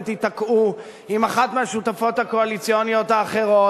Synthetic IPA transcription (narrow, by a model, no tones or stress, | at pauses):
t̪it̪akʔu | imaχat̪meaʃut̪afo̞t̪hako̞alit͡sionijo̞t̪aːχe̞ʁo̞